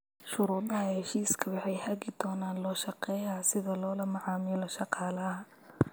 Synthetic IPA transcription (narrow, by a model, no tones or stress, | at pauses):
ʃʊɾuːðɐɦɐhɛʃiːskʰɐwɑħɑjhɐɣɪd̪̥ɔːnaːnlɔːʃɑqɛːjɐsɪðɐlɔːlɐmɑʕɑːmɪlɔʃɑqɑːlɐ